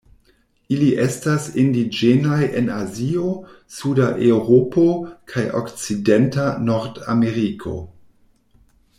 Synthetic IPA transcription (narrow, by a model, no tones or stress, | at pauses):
iliʔestasindid͡ʒenajʔe̞nazio | sudaʔewɾopokʰajʔo̰kt͡sidentanoɾda̰meɾikʰo̞̰